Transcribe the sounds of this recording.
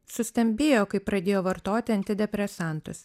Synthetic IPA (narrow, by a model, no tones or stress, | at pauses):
sʊsʲt̪ʲɛmʲbʲeːjoːkɐɪpːɾɐd̪ʲeːjoːʋɐɾt̪oːt̪ʲɪɐnʲt̪ʲɪd̪ʲɛpʲɾʲɛsɑˑnt̪ʊs